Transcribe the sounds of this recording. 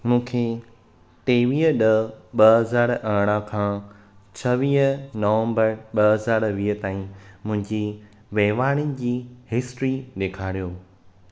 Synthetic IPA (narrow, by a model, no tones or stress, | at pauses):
mũːkʰe | ʈeːʋiːɦəɗɐɓɐɦɐzaːɾɐɦɽ̃ãkʰãː | t͡ɕʰɐʋiːɦnoːʋə̃mbəɾɓɐɦɐzaːɾʋiːɦət̪aːĩmʊ̃ɦɪ̃ɲd͡ʑi | ʋeɦʋaːɽ̃in̆d͡ʑiːhɪsʈɾiɗeːkʰaːɽijoː